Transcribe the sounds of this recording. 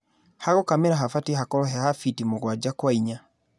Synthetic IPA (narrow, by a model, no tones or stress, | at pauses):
haɣokameɾaɦafatihakɔɾɔɦɛhafitimoɣwad͡ʑakwaiɲa